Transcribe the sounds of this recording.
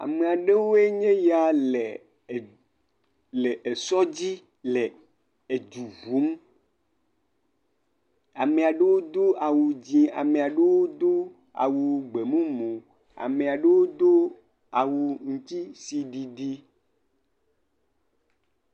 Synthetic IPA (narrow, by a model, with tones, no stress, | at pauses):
a̰˨me˨a˨ɖe˦wo˦e˦ɲẽ˦ja˨le˨ | le˨ʔe˨sɔ˦d͡ʑi˦ | le˨ | e˨d͡ʒu˨vu˨˦m | a˨me˨a˨ɖe˦wo˦d̪o˦a˨wu˨d͡ʑĩ˦a̰˨mẽ˨a˨ɖe˦wo˦d̪o˦ | a̰˨wu˨ɡ͡be˨mũ˦mũ˨ | a̰˨me˨a˨ɖe˦wo˦d̪o˦ | a˨wu˨ŋũ˦t̪i˦si˨ɖi˨ɖi˦